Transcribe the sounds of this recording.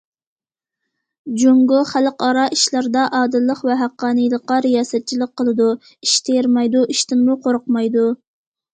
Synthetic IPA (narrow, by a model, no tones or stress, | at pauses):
d͡ʒuŋɡʊχælqɑɾɑʔiʃlˠɑɾd̪ɑʔɑːd̪ɨlˠːəqvɛɦæqːɑːnɨjlˠəqːɑɾijɑːsɛt̪̚t͡ʃʰilˠək̚qːəlˠɨd̪u | iʃt̪ʰeɾmɑjd̪uʔiʃt̪ʰɪmːuqʰoɾʊqmɑjd̪u